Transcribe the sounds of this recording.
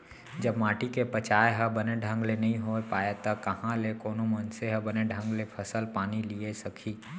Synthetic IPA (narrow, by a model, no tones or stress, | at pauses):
d͡ʒəbmaːʈikepət͡ʃaːeɦəbəneɖʱə̃ŋɡlenɐɦĩɦoepaːet̪ɐkɐhãlekoːnõmənseɦəbəneɖʱə̃ŋɡlepʰəsəlpaːniliesəkʰiː